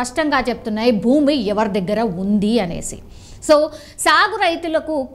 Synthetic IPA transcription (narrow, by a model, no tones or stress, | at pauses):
ɐʂʈɐŋɡaːt͡ʃep̚ut̪unːaːjibʱuːmiɛʋɐɾid̪ɐɡːɐɾɐund̪iɐne̞̰ːsḭ | soː | saːɡuɾɐjt̪ulɐkuk